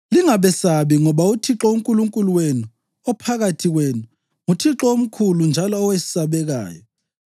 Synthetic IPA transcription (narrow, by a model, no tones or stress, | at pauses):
liŋaβɛsaβiŋɔβautʰiǁɔuŋkʼuluŋkʼuluwenu | ɔpʰaɣatʰiɣwenu | ŋutʰiǁɔom̩kʰulund͡ʒʱalɔːwesi̥saβɛɣa̰ːjɔ